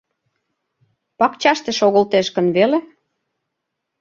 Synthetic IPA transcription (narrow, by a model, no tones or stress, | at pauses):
pɑkt͡ɕɑʃt̪eʃoɣə̆lt̪eʃkə̆nβele